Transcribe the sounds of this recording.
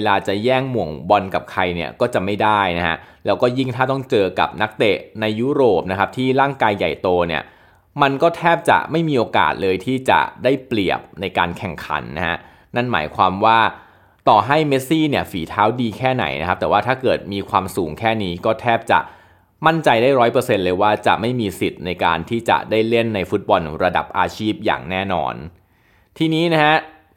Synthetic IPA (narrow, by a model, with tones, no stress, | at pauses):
laː˧t͡ɕa˨˩jɛː˥˩ŋmu˨˩əŋwɔ˧nka˨˩p̚kʰa˧jni˥˩ɐkɔː˥˩t͡ɕa˨˩ma˥˩jda˥˩jna˦˥ha̰˦˥lɛː˦˥wkɔː˥˩ji˥˩ŋt̪ʰaː˥˩t̪ɔ˥˩ŋt͡ɕɤː˧ka̰˨˩p̚na˦˥k̚t̪e˨˩ʔna˧jːuː˦˥ɾoː˨˩p̚na˦˥kʰa˦˥p̚t̪ʰiː˥˩ɾaː˥˩ŋkaː˧jːa̰˨˩jt̪oː˧nḭ˥˩ɐ | ma˧nkɔː˥˩t̪ʰɛː˥˩p̚t͡ɕa̰˨˩ma˥˩jmiː˧ʔoː˧ka̰ː˨˩t̪̚lɤː˧jt̪ʰiː˥˩t͡ɕa̰˨˩daː˥˩jpli˨˩əp̚na˧jka̰ː˧nkʰɛ˨˩ŋkʰa̰˩˦nːa˦˥ha̰˦˥ | na˥˩nma̰ː˩˦jkʰwaː˧mwaː˥˩ | t̪ɔː˨˩ɦa˥˩jme˦˥t̪̚siː˥˩ni˥˩əfiː˩˦t̪ʰaː˦˥wdiː˧kʰɛː˥˩na̰˩˦jna˦˥kʰa˦˥p̚t̪ɛː˨˩waː˥˩t̪ʰaː˥˩kɤː˨˩t̪̚miː˧kʰwaː˧msuː˨˩˦ŋkʰɛː˥˩niː˦˥kɔː˥˩t̪ʰɛː˥˩p̚t͡ɕa̰˨˩ʔ | ma˥˩nt͡ɕa˧jdaː˥˩jɾɔː˦˥jpɤː˧se˧nlɤː˧jwaː˥˩t͡ɕa̰˨˩ma˥˩jmiː˧si˨˩t̪̚na˧jka̰ː˧nt̪ʰiː˥˩t͡ɕa̰˨˩daː˥˩jle˥˩nːa˧jfu˦˥t̪̚bɔ˧nɾa˧da̰˨˩p̚ʔaː˧t͡ɕʰiː˥˩p̚ja̰ː˨˩ŋnɛː˥˩nɔ̰ː˧n | t̪ʰiː˧niː˦˥na˦˥ha˦˥ʔ